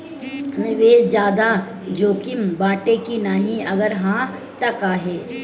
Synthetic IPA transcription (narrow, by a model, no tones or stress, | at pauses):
nɪʋeːd͡ʒjaːd̪a | d͡ʒoːkɪmbaːʈekinaːɦĩɐɡəɾɦãː | t̪ɐkaːɦɛː